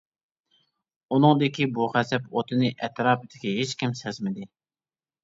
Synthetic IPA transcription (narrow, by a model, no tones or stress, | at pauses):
unɨŋd̪ɪkʲʰibuχɛsɛpot̪ʰɨnɪʔɛt̪ɾɑːpɨd̪ɪkʲiɦet͡ʃkʲimsɛzmɪd̪ɪ